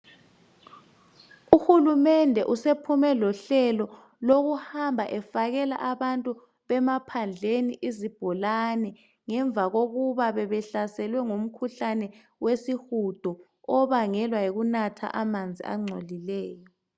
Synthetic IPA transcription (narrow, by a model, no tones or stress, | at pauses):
uxulumɛndʱɛʔusepʰumɛlɔɬɛlɔ | loɣuhambʱaʔɛfaɣɛla̰ʔaβantʼu | βɛmapʰand͡ɮʱeniʔizib̥ʱɔlanɛ | ŋɛɱvʱaɣoɣuβaβɛβɛɬasɛlwɛŋum̩kʰuɬanɛ | wesixud̥ʱɔ | ɔβaŋɛlwaeɣunatʰa̰ʔamand͡zʱḭʔa̰ŋ͡ǀʱolilɛːjɔ